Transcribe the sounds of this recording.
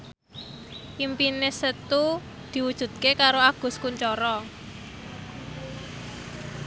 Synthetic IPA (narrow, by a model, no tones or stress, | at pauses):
ʔimpinesət̪u | d̪̥i̤wud̥ʒ̥ṳd̪̥̚kekaɾoaɡ̥ʊ̤skuɲt͡ʃɔɾɔ